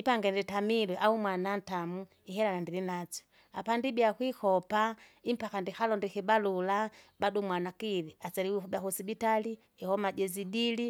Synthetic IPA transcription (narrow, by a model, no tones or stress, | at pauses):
ipaŋɡɛnditamilwɛʔaumwanan̩tamu | iɦɛlanandilinat͡sɔ̥ | apandibiakwihɔpaimpakandixalɔndikɛbalulabadumwanakiliasɛɾiwihubakusibitali | ihɔmad͡ʒɛzibili